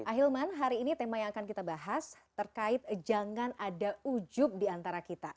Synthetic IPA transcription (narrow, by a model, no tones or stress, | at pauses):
ʔaɦilmanɦaɾiːnit̪emajaŋakankit̪abaɦast̪ərkaɪt̪̚d͡ʒaŋanadaud͡ʒʊp̚diant̪aɾakit̪a